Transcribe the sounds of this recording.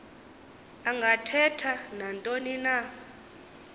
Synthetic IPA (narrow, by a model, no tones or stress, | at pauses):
aŋɡʱatʰɛtʰanantʼonina